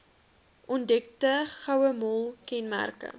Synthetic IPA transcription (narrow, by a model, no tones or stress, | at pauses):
ʔɔndɛk̚təχɐwəmɔlˠkɛnmæ̰rkə̰